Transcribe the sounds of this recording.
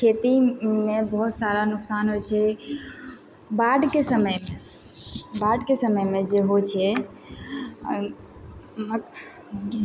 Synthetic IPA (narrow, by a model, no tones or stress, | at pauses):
kʰet̪imebəɦut̪saɾanʊksanɦojt͡ʃʰɛ | baɖkesəməjme | baɖkesəməjmed͡ʒeɦot͡ʃʰɛ | m